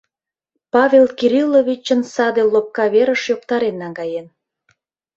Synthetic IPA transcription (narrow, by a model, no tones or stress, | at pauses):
pɑβʲelkiɾilːoβʲit͡ɕənsɑd̪elop̚kɑβeɾəʃjokt̪ɑɾenːɑŋɡɑjen